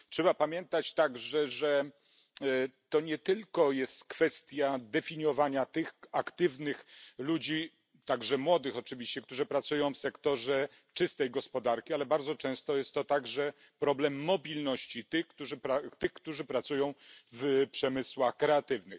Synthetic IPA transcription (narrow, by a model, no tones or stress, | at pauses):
tʂɛbapamʲjɛnt̪at͡ɕt̪aɡʐɛʐɛ | t̪ɔɲɛt̪ɘlkɔjɛst̪kfɛst̪ʲjad̪ɛfʲiɲɔvaɲat̪ɘxakt̪ɘvnɘxlud͡ʑi | t̪aɡʐɛmwɔd̪ɘxɔt͡ʂɘvʲiɕt͡ɕɛkt̪uʐɨpɾat̪sujɔ̃w̃fsɛkt̪ɔʐɛ | t͡ʂɘst̪ɛjɡɔspɔd̪aɾkʲialɛbaɾd̪zɔt͡ʂɛ̃w̃st̪ɔjɛst̪ɔt̪aɡʐɛ | pɾɔblɛmːɔbʲilnɔɕt͡ɕit̪ɘxkt̪uʐɘpɾat̪ɘxkt̪uʐɘpɾat̪sujɔ̃w̃vpʂɛmɘswaxkɾɛat̪ɘvnɘx